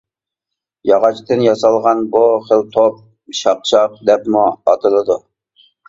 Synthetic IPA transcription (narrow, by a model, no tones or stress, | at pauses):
jɑʁɑt͡ʃt̪ɨnjɑsɑlˠʁɑnbuχəlt̪ʰop̚ | ʃɑq̚t͡ʃʰɑq̚d̪ɛpmuɑt̪ʰɨlˠɨd̪u